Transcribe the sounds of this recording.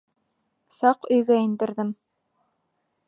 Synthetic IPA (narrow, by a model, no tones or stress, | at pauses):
sɑqɵ̆jɣæɘ̆nd̪ɘ̆ɾðɘm